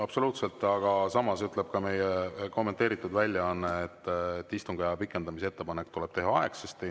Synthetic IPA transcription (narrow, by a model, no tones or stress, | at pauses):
ɑb̥so̞luːt̪se̞lt̪ːˑɑɡ̥ɑsɑmɑsyt̪ˑle̞b̥̚kɑme̞jeko̞mːet̪ːˑe̞ːɾit̪ːˑud̪vælʲːjɑɑnːeet̪ːt̪ːist̪uŋɡ̥ejɑpikːˑe̞nd̪ɑmisee̞t̪ːe̞pɑnekːt̪uleb̥t̪e̞ɦɑɑeksest̪i